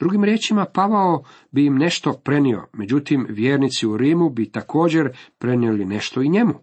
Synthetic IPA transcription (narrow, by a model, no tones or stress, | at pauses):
d̪ɾuɡimɾje̞ːt͡ʃimapaʋao | bijimne̞ʃt̪o̞pɾe̞nio̞̰me̞d͡ʑut̪imʋjeːɾnit̪siuɾiːmubit̪akʰo̞ːd͡ʑe̞ɾpɾe̞nieline̞ʃt̪oiɲe̞mu